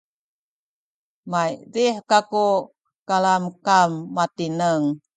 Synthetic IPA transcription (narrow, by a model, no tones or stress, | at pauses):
majɾihkaku | kalamkamːat̪inəŋ